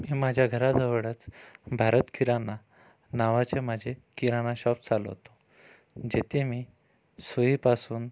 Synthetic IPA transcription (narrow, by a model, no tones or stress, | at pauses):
miːmad͡ʑʱjaɡʱəɾad͡zəʋəɽət͡sbʱaɾət̪kiɾana | naʋat͡ɕemad͡ʑʱekiɾanaɕɔp̚t͡salə̰ɦt̪o̥ | d͡ʑet̪ʰemiː | soɦiːpasuːn